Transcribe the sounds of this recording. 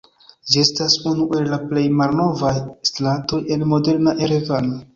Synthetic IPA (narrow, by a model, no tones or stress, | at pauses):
d͡ʒie̞stasunuʔe̞llaple̞jmalno̞vajstlanto̞je̞nmo̞de̞ɾnaʔe̞ɾevano